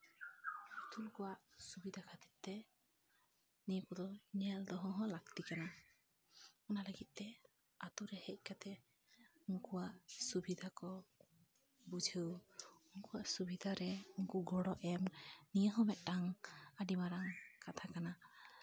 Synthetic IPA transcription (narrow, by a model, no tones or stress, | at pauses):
ɔt̪ʰulkɔwaʔsubid̪ʱakʰat̪it̪̚t̪ɛ | nikɔd̪ɔɲɛld̪ɔɦɔ̃ɦɔ̃lakt̪ikana | ɔnaləɡit̪̚ˀːɛ | at̪uɾɛhɛc̚ˀkat̪ɛ | uŋkuwaʔsubid̪ʱakɔ | bud͡ʒʱəwuŋkuwaʔsubid̪ʱaɾɛuŋkuɡɔɽɔʔɛmnijəɦɔmɛʔtaŋaɖimaɾaŋkat̪ʰakana